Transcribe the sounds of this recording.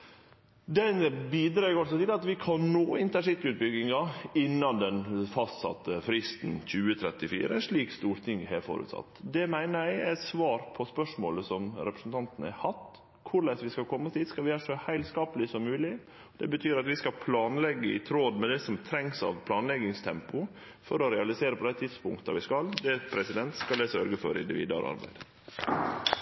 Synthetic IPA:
d̪ɛnbiːd̪ɾɑːɡɑlsɔt̪ɪlɑt̪ʋɪkʰɑnnoːɪnt̪əʂɪt̪ːʉt̪̚bʏɡɪŋɑɪnːɑnd̪ɛnfɑst̪sɑ̰t̪ːəfɾɪst̪n̩çʉːət̪ʰɾɛt̪ːɪfḭːɾəɛnʂɭiːkst̪uːɾt̪ʰɪŋɛ̰ɾfɔ̰ɾʉ̰t̪sɑ̰t̪ːd̪ɛmæɪnəæɪæsʋɑːɾpʰɔspœʂmoːləsɔmɾɛpɾəsn̩t̪ʰɑnt̪ənæ̰hɑt̪ː | kʰʊɾɭɛsʋɪskɑlkʰɔmːəst̪ʰɪːd̪skɑlʋɪæːʂɔhæɪlskɑːpəlɪsɔmːʉːlɪ | d̪ɛbət̪ʰyːɾɑt̪ʋɪskɑpʰlɑːnlɛɡːəɪ̰t̪ʰɾoːd̪mɛd̪ɛsɔmt̪ʰɾɛŋsɑ̰ʋpʰlɑːnlɛɡɪŋst̪ʰɛmpʊ | fɔɾɔɾɛɑlɪseːɾəpʰɔd̪æɪt̪ʰɪd̪spʊŋkt̪ə̰ʋɪskɑld̪ɛpʰɾɛsɪd̪ɛnt̪skɑld̪ɛsœɾɡəfɔɾɪ̰nd̪ɪʋḭːd̪ɑ̰ɾɑ̰ɾbæ̰ɪd̪̥

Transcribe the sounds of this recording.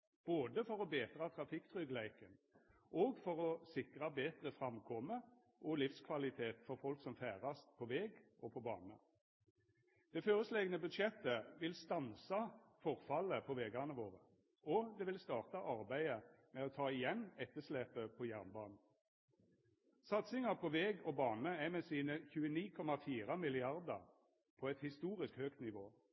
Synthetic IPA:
b̥oːd̪əfɔʁɔbeːt̪ʁɑt̪ʰʁɑfɪkt̪ʰʁʏɡlæɪkənʔoːɡfɔʁɔsɪkʁɑbeːt̪ʁəfʁɑmkʰɔmə | ʔɔlɪfskʰʋɑlɪt̪ʰeːt̪fɔʁfɔlksɔmfæːʁɑst̪pʰɔʋɛːɡʔɔpʰɔbɑ̰ːnə | d̪̥ɛføːʁəsleːɡənəbʉd̪ʃjɛt̪əʋɪlst̪ɑnsɑfɔʁfɑləpʰɔʋɛːɡɑnəʋoːʁə | ɔd̪ɛʋɪlst̪ɑːʁt̪ɑʔɑʁbæɪəmɛoːt̪ʰɑːɪjɛnːɛt̪ːəsleːpəpʰɔjæʁnbɑ̰ːnn̩ | sɑt̪sɪŋɑpʰɔʋɛːɡɔbɑːnəæmɛsiːnəçʉːəniːkʰɔmɑfiːʁɑmɪlɪɑʁd̪əʁ | pʰɔɛt̪hɪst̪uːʁɪskhøːkt̪nɪʋoː

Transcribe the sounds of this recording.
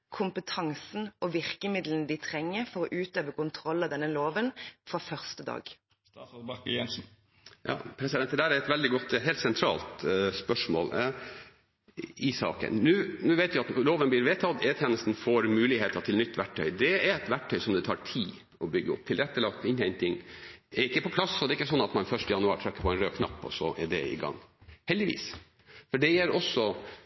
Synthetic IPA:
kʰʊmpət̪ʰɑŋsn̩ʔɔʋɪʁkəmɪd̪lənd̪ɪt̪ʰɾɛŋːəfɔɾɔʔʉːt̪øːʋəkʊnt̪ʰɾɔlːɑd̪ɛnːəloːʋənfɾɑfœʁst̪əd̪ɑ̰ːɡ | bɑkjɛnsn̩ | jɑ̰ːpʰɾɛsɪd̪ɛnt̪ːəd̪æːɾæɾɛt̪ʋɛld̪ɪɡɔt̪ːɦeːlt̪sɛnt̪ʰɾɑ̰ːlt̪spœʂmo̰ːl | ɪsɑ̰ːkə̰nnʉːnʉːʋæɪt̪ʋɪɑt̪loːʋənblɪːɾʋeːt̪ʰɑd̪eːt̪ʰjɛːnəst̪n̩foːɾmʉːlɪheːt̪əʈ̪ʰɪlnʏt̪ːʋæʈʰːœ̰ʏd̪ɛɛɾɛt̪ʋæʈʰːœʏsɔmd̪ɛt̪ʰɑ̰ːʈʰiː | ɔbʏɡːəʊ̰p̚ːt̪ʰɪlɾɛt̪ːəlɑkt̪ɪnhɛɪnt̪ɪŋɛɾɪkːəpɔpʰlɑsɔd̪ɛːɪkːəsɔnːɑt̪mɑnfœʂʈəjɑnʉɑ̰ːɾʈ̪ʰɾɛkːəpʰɔɛɪnɾøːkʰnɑ̰pːɔ̰sɔʔɛ̰ɖɛ̰ɪ̰ɡɑ̰ŋːhɛld̪ɪʋḭːs | fɔɖɛjæɾɔsːɔ

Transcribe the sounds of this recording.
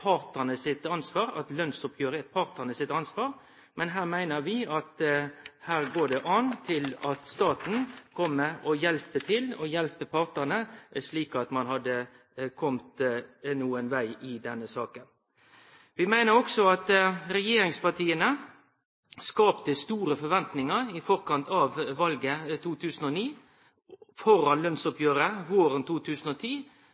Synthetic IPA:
pʰɑɾt̪ənəsɪt̪ɑnsʋɑːɾɑ̰t̪lœnsʊp̚ɡøːɾəɛt̪̚pʰɑɾt̪ənəsɪt̪ɑnsʋɑːɾ | mɛnɦæːʁmæɪnəɾʋɪɑt̪hæːɾɡoːɖɛʔɑnt̪ʰɪlɑt̪st̪ɑːt̪n̩kʰɔmːəɔjɛlpət̪ʰɪlɔjɛlpəpʰɑʁt̪ənəsliːkɑt̪mɑnhɑd̪ːə | kʰɔmt̪nuːənʋæɪɪd̪ɛnːəsɑːkən | ʋɪmæɪnəɾɔksɔɑt̪ɾɛjeːɾɪŋspɑt̪ʰiːənə | skɑːpt̪əst̪uːɾəfɔʋɛnt̪nɪŋəɾɪfɔɾkɑnt̪ʰɑʋʋɑlɡət̪ʰuːt̪ʰʉːsən̩ɔniː | fɔɾɑnlœnsɔpjøːɾəʋoːɾənt̪ʰuːt̪ʰʉːsn̩ɔt̪ʰiː

